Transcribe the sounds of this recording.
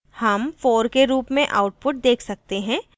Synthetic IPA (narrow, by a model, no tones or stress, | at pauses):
hɐmfoːɾkeɾuːpmẽʔa̰ːʊʈ̚pʊʈ̚d̪eːkʰsɐk̚t̪eɦɛ̃ː